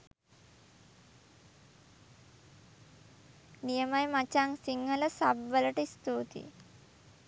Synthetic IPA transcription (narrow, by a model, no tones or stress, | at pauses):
nijəmajmat͡ɕaŋsiŋɡʱələsabʋələʈist̪ot̪ḭ